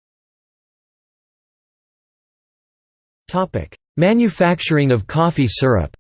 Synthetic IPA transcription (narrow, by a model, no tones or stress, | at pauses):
tʰɑpɪ̰k | mæ̃njɨfæk̚t͡ʃə˞ɪ̃ŋʌv̥kʰɔfisɜ˞ə̰p